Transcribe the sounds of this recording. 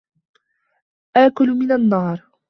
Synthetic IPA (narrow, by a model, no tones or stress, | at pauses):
ʔaːkʊlmɪnanːɑːɾˤ